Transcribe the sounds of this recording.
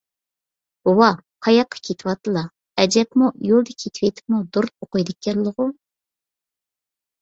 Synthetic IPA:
owɑqʰɑjɑqʰːɑ̥kʲʰet̪ʰɪwɑt̪ʰɨlˠɑ | ɛd͡ʒɛpmujolˠd̪ɨkʲʰet̪ʰwet̪ʰɪ̥pmud̪oɾt̪̚oqɨjd̪ɪkʲːɛllˠːəʁʊ

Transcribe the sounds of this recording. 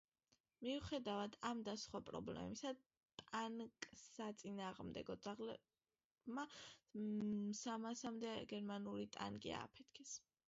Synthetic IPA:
miuχɛd̪avad̪ʰamd̪asχwapʼɾɔ̰blɛ̰misa | t̪ʼaŋkʼsat̪sʼinaːʁmd̪ɛ̰ɡɔd̪zaʁlɛ | ma | samasamd̪ɛɡɛɾmanulit̪ʼa̰ŋkʼḭa̰ːpʰɛt̪ʰkʰɛs

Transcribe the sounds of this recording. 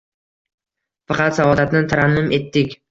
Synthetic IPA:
fɑqɑt̪savɒd̪at̪nɪt̪ʰaɾanmɪmʔe̞t̪ːɪkʲ

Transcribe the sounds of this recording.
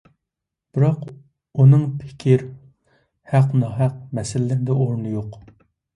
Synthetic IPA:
b̥ɪɾɑq | unɨŋpʰɪ̥kʲʰiɾ | hæqnɑɦæq̚mɛsɪlːɪnɪd̪ɛoɾnɨjoq

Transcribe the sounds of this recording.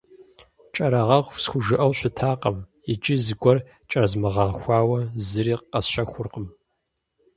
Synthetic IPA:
t͡ʃʼɐɾɐʁɐʁʷsxʷʊʒɨʔɐwɕʷʊtʰaːqɐm | ɪt͡ʃʼɪzɨɡʷɔr | t͡ʃʼɐrzmɨʁɐʁxʷɑːwɐzɨɾiːqqɐsɕɐxʷʊrqəm

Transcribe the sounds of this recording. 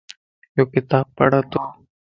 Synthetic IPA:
joːkɪt̪aːb̚pə̰ɽaːt̪oː

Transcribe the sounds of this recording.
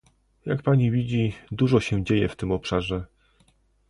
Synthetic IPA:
jakpaɲivʲid͡ʑid̪uʐɔɕɛ̃d͡ʑejɛft̪ɘmɔpʂaʐɛ

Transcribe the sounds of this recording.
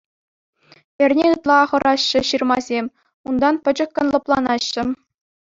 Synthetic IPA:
ĕrʲnʲeɯt̪lˠɑːχɤ̆ɾʔɑɕːɘ̆ɕirmɑzʲemʲ | und̪ɑnpʲɘ̆d͡ʑɘ̆kʲːɤ̆nlˠɤ̆plˠɑnɑɕːɘ̆

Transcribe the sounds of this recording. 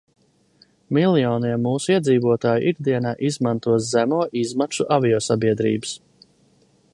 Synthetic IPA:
milijɔːniɛmːuːsuiɛd̪ziːvuɔt̪aːjṵʔiɡd̪iɛnaːʔizmãnt̪uɔt̪zæmuɔʔizmakʃuʔavʲijɔːsabiɛd̪ɾḭːbɨ̥s

